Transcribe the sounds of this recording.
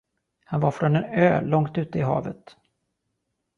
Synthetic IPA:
hanvaɾfɾɔnɛnøːlɔŋt̪ʉ̟ːt̪əɪɦɑ̰ːvət̪

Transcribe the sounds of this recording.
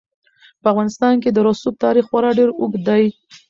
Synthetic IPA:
pəavɣɑnɪst̪ɑnk̬ed̪əɾosup̚t̪ɑɾixwaɾɑɖeɾʊɡd̪aj

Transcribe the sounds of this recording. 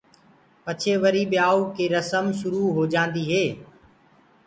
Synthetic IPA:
pət͡ʃʰeːʋəɾiːɓɪjaːuːkeːɾəsəmʃʊɾuːɦoːd͡ʒãːnd̪iːɦeː

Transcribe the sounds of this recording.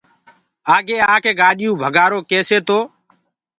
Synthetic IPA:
aːɡeːaːkʰeːɡaːɗɪjũːbʱəɡaːɾoːkeːseːt̪oː

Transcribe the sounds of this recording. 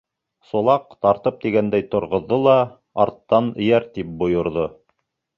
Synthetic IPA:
sŏlˠɑqt̪ɑɾt̪ɤp̚t̪iɡænd̪æjt̪ŏɾʁŏðːolˠɑ | ɑ̰ɾt̪ːɑnɘ̆jæɾt̪ip̚bŏjŏɾðo

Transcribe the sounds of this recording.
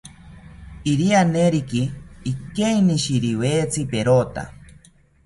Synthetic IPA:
iɾianeɾikiːkejniʃiɾiweːt͡sʰipeɾot̪a̰

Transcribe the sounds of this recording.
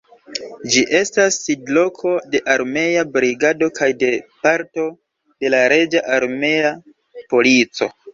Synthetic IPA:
d͡ʒiʔe̞stasːidlo̞kʰo̞de̞ʔaɾme̞jabɾiɡado̞kʰajde̞paɾto̞ | d̥e̞laɾe̞d͡ʒaʔaɾme̞a | po̞lit͡so̞̰

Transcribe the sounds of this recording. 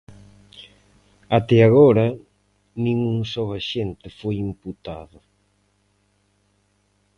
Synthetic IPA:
at̪ɛaɣoɾɐ | nĩŋuŋsɔwaʃent̪ɪfojimput̪aðʊ

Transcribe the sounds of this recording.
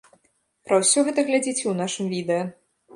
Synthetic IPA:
pɾɐwsʲɔɣɛt̪ɐɣlʲad͡zʲit͡sʲɛwnaʂɨmvʲid̪ɛjɐ

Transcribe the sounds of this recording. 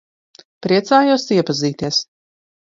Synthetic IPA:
pɾiɛt̪saːjusiɛpaziːt̪iɛs

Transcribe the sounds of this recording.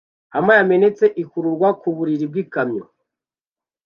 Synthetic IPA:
amajame̞ne̞t͡se̞ʔikuɾuɾɡwakuβuɾiɾib̚ɡikamɲo̰

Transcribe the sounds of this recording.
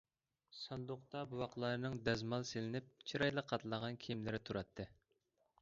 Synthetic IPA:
sɑnd̪ʊqt̪ɑbuwɑqlˠɑɾnɨŋd̪ɛzmɑlˠselɪnɪp̚t͡ʃʰiɾɑjlˠəqʰːɑt̪ʰlˠəʁɑnkʲʰimlɪɾɪt̪ʰuɾɑt̪ʰːɨ

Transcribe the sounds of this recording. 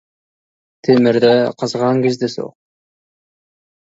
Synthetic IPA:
t̪ʰemɪɾd̪æqʰəzʁɑŋkʲezd̪ɪso̰q̚

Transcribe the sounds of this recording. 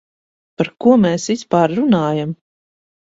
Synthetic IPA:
paɾkuɔmeːsispaːɾːunaːjam

